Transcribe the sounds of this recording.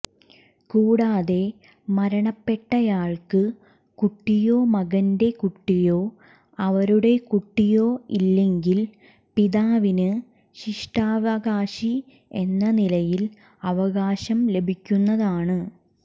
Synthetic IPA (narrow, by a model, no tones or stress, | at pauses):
kuːɽaːðe̞ | mɐɾɐɳɐpːe̞ʈːɐjaːɭkɨ | kuʈːijo̞ːmɐɣɐnde̞kuʈːijo̞ː | ɐʋɐɾuɽe̞kuʈːijo̞ːilːe̞ŋɡil | piðaːʋinɨ | ɕiʂʈaːʋɐɣaːɕi | e̞nːɐnilɐjil | ɐʋɐɣaːɕɐmle̞bʱikʲːunːɐðaːɳɨ